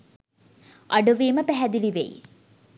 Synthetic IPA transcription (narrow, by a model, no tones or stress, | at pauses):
ʔɐɖuʋiːməpæɦɛd̪iliʋḛj